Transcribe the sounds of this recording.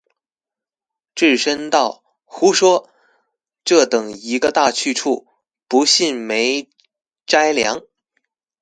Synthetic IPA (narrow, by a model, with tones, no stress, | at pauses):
ʈ͡ʂɻ̩˥˩ʂə˥nt̪ɑ˥˩ʊ | xu˥ʂwɔ˥ | ʈ͡ʂɤ˥˩t̪ɤ˨˩ŋi˧˥ɡə˧t̪a˥˧t͡ɕʰy˥˧ʈ͡ʂʰu˥˩ | pu˧˥ɕi˥˩nme˧˥ɪ | ʈ͡ʂa˥ɪljɑ̰˧˥ŋ